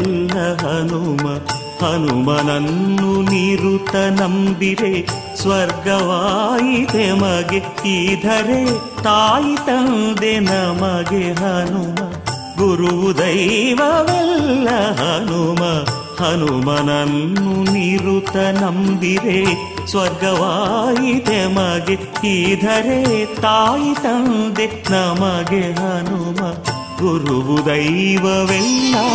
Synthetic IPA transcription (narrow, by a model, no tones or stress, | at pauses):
lːɐɦɐnumɐ | hɐnumɐnɐnːuniɾut̪ɐnɐmbiɾe | sʋɐɾɡɐʋaːjit̪emɐɡet̪id̪ʱɐɾe | t̪aːjit̪ɐnd̪enɐmɐɡeɦɐnumɐ | ɡuɾuʋud̪ɐjʋɐʋɛlːɐɦɐnumɐ | hɐnumɐnɐnːuniɾut̪ɐnɐmbid̪e | sʋɐɾɡɐʋaːjid̪emɐɡe | id̪ʱɐɾet̪aːjit̪ɐnd̪enɐmɐɡeɦɐnumɐ | ɡuɾuʋud̪ɐjʋɐʋɛlːɐ